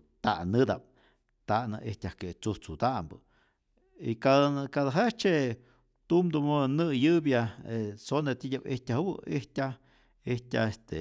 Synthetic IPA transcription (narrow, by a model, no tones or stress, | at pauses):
t̪a̰ʔnɨd̪ap̚ | t̪aʔnɨ̰ʔehtʲahket͡suht͡sud̪aʔmbɨ | ikakad̪aɦet͡ʃe | t̪umd̪umonɨjɨbjaesonet̪idʲabḭhtʲahwɨihtʲa | ihtʲa̰est̪e